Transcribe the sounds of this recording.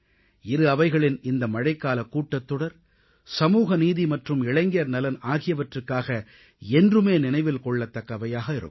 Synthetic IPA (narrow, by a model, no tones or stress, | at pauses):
ɪɾɯɐʋɐɪɣɐɭɪnɪnd̪ɐmɐɻɐɪkːaːlɐkːuːʈːɐt̪ːɔɽɐɾ | sɐmuːɣɐniːðimɐʈrɯmɪɭɐɪŋɡjɐɾnɐlɐnaːɣɪjɐʋɐʈrɯkːaːɣɐ | ɛndrɯmeːnɪnɐɪʋɪlkɔɭːɐt̪ːɐkːɐʋɐjaːɣɐɪɾɯ̰kː